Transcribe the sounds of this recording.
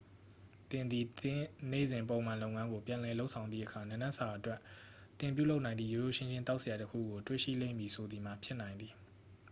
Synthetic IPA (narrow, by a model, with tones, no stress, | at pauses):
t̪ɪ̃˨nd̪ði˨t̪ɪ̃˦nḛ˦˨zɪ̃˨mpõ˨ʊ̃m̥ã˨lo˦ʊʔŋã˦ŋɡo˨pjã˨ʔlɛ˨lo˦ʊʔsʰã˨ʊnd̪ðḭ˦ʔəkʰa˨nã˦˨nã˦sa˨ʔətwɛ˦ʔ | t̪ɪ̃˨mpjṵ˦˨lo˦ʊʔnã˨ɪ̃nd̪ḭ˦˨jo˨o̰˦˨ʃʰɪ̃˦ɲd͡ʑʰɪ̃˦nt̪a˦ʊʔsə˨ja˨təkʰṵ˦˨ɡo˨twḛ˦˨ʃḭ˦˨lḛ̃˦˨mbi˨sʰo˨d̪ði˨m̥a˨pʰjɪ˦ʔnã˨ɪ̃nd̪i˨